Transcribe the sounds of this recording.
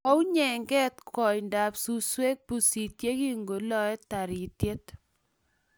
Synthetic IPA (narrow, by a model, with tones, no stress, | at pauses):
ɔ˦ʊ˦ɲɛ˨ŋɡɛ˦t̪kɔ˨jnda˨psu˦swe˦k̚bu˨si˨tje˦ki˦ŋɡo˨lɔ˦ɛ˦ta˨ɾi˨tje˦t̪